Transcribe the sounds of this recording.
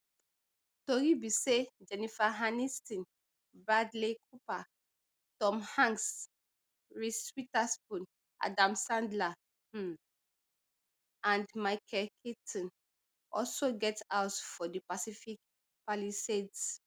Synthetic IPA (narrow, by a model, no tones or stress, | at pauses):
toɾibised͡ʒɛnifaɦanistĩn | bɹadlek̚ʰupa | tɔ̃mhãŋs | ɹiswitaspũn | ʔa̰dãmsãndla | ãndmaɪkʰɛlkʰetʰɔ̃n | ɔlsoɡɛtawtfɔdipasifik | paliseds